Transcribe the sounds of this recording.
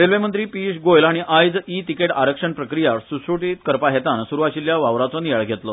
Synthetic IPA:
ɾelʋemənt̪ɾiːpiʂɡojlaɽ̃iʔajd͡zit̪ikeʈaɾəkʂəɳpɾəkɾijasusɾuʈit̪kəɾpaɦet̪ansuɾuʋaɕiljaʋaʋɾat͡sonijaɭɡʱet̪lɔ

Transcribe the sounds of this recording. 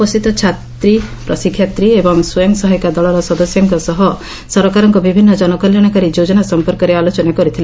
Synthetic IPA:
pɔst̪it̪ɔt͡ʃʰat̪ɾipɾɔsikʰːjat̪ɾiebɔŋsujɔŋsɔɦɔjkad̪ɔɭɔɾɔsɔd̪ɔsjɔŋkɔsɔɦɔ | sɔɾkaɾɔŋkɔbibʱinːɔd͡ʒɔnɔkɔljaɽ̃akaɾid͡ʒod͡ʒɔnasɔmpɔɾkɔɾealot͡ʃɔnakɔɾit̪ʰile

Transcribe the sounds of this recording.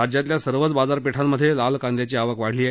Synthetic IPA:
ad͡ʑjat̪ljasəɾʋət͡sbad͡zaɾpeʈʰamːəd̪ʱːjelalkãnd̪jat͡ɕiːaʋəkʋaɽ̤liːa

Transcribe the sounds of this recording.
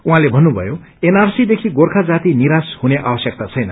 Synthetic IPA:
uɦãlebʱʌnːubʱʌ̰jo | enarsid̪ekʰiɡorkʰad͡zat̪iniɾashuneʔa̰bʌsjʌk̚t̪at͡sʰʌjnʌ

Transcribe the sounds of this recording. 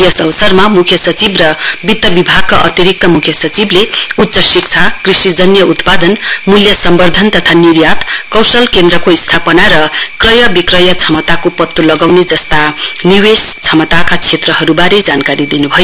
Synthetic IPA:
jʌsʌwsʌrmamukʰjʌsʌt͡sibrʌbid̪ːʌbibʱaɡ̚kaʔʌt̪iɾik̚t̪ʌmukʰjʌsʌt͡sibleut̪ːsʌsik̚t͡sʰakrisid͡zʌnjʌut̪pad̪ʌnmuljʌsʌmbʌrd̪ʱʌnt̪ʌt̪ʰaniɾjat̪kʌwsʌlkend̪rʌkoist̪ʰapʌnaɾʌkrʌjʌbikrʌjʌt͡sʰʌmʌt̪akopʌt̪ːulʌɡawned͡zʌst̪aniwest͡sʰʌmʌt̪akat͡sʰet̪rʌɦʌɾubaɾed͡zankaɾid̪inubʱʌjo

